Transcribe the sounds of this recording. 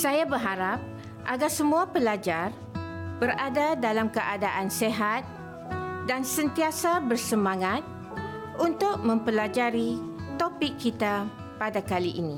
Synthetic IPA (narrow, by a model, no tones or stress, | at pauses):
sajabərɦaɾap̚ | ʔa̰ɡarsəmũapəlad͡ʒar | b̥əradadalamkəʔadaʔanseɦat̪̚ | dansənt̪iasabərsəmãŋat̪̚ | ʔunt̪ʊk̚mə̃mpəlad͡ʒaɾit̪opɪkːit̪a | padakaliʔinĩ